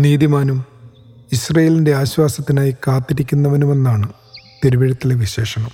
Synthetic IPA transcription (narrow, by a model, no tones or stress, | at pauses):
niːðimaːnum | isrɐjeːlinde̞aːɕwaːsɐt̪ːinaːjikaːt̪ːiɾikʲːunːɐʋɐnume̞nːaːɳɨ | t̪eɾuʋeɻɐt̪ːileʋiɕe̞ːʂɐɳɐm